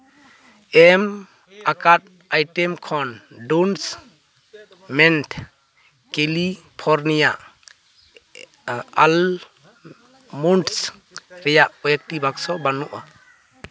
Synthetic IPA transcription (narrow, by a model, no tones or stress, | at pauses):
ɛm | akat̚ | ajʈɛmkʰɔndons | mɛnt | keli | pʰɔɾnijaʔ | al | munʈs | ɾɛjaʔɔjɛk̚tibaksɔbanuʔa